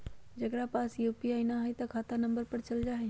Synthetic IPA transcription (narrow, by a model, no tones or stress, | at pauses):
d͡ʒɐɡɾapaːsjuːpiaːinaɦəjt̪ɐkʰaːt̪anɐ̃mbəɾpɐɾt͡ʃɐld͡ʒaːɦɛ